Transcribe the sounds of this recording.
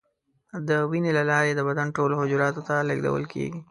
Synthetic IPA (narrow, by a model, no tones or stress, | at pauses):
d̪əwinelalɑɾed̪əbad̪anʈoloɦʊd͡ʒuɾɑt̪ot̪aləɡd̪a̰wə̰lkʰḛɡi